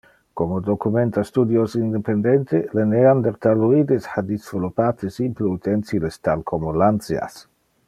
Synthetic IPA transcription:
komod̪okument̪ast̪ud̪josind̪epend̪ent̪eleneand̪eɾt̪aluid̪esħad̪izvolupat̪esimpleut̪ent̪silest̪alkʰomolant̪sja̰s

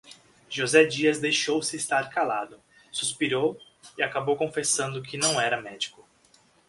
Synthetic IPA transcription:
ʒozɛd͡ʒiɐzd̪ejʃowsɪːst̪aɾkala̰d̪ʊ | suspiɾow | ɪakabowkõfesɐ̃nd̪ʊkʰɪnɐ̃w̃ɛɾɐmɛd͡ʒikʊ

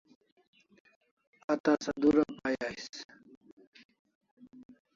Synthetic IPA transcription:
ɐt̪asɐd̪uɾapajais

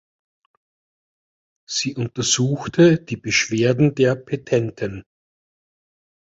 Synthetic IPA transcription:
z̥iːʔʊntɐz̥uːxtʰəd̥iːbəʃv̥eːɐdn̩deːɐpʰetʰɛntʰɪn

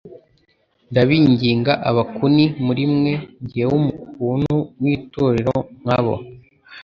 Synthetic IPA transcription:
ndaβiːɲɟiːŋɡaʔaβakunimuɾimŋe̞ɲɟihewumukuːnunwiːtoɾeɾoŋ̥haβo̞̰

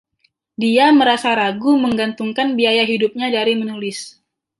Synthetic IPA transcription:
diaməɾasaɾaɡuməŋɡant̪uŋkanbiajaɦidup̚ɲadaɾimənulɪs

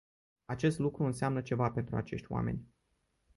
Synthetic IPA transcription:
at͡ʃe̞st̪lukɾuɨnseamnət͡ʃe̞vape̞nt̪ɾuat͡ʃe̞̰ʃt̪ʲwa̰me̞̰nʲ

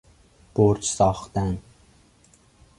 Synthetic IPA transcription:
b̥oɾt͡ʃʰsɑχt̪æn

